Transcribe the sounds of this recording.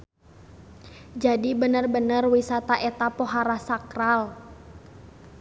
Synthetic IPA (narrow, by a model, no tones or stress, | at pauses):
d͡ʒadibənərbənərwisat̪aʔɛt̪apoɦaɾasakral